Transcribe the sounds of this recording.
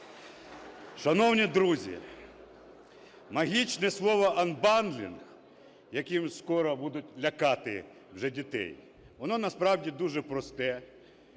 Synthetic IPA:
ʃɐnɔwnʲid̪ɾuzʲḭ | mɐɦʲit͡ʃnɛslˠɔʋɔʔɐnbɑnd̪lʲḭn | jɐkimskɔɾɔbud̪ʊtʲlʲɐkɑt̪ɪ̰ | wʒɛdʲit̪ɛ̰j | ʋɔnɔnɐspɾɑwdʲid̪uʒɛpɾɔst̪ɛ

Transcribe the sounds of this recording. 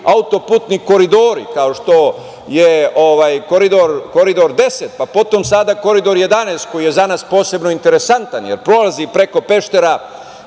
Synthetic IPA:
aut̪o̞puːt̪niko̞ɾid̪oːɾḭkaoʃt̪o̞ | jeoʋaːjko̞ɾid̪o̞ɾko̞ɾid̪o̞ɾd̪e̞set̪̚papo̞t̪o̞msad̪ako̞ɾid̪o̞ɾje̞d̪anest̪̚ko̞jijezanaspo̞ːse̞bno̞int̪e̞ɾesant̪anjḛɾpɾo̞lazipɾe̞ko̞pe̞ʃt̪e̞ɾa

